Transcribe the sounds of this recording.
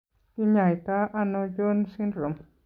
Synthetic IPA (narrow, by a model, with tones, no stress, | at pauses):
ti˦ɲã˨jt̪a˦ʔa˧nõ˧jo˦nsi˦ndɾo˨m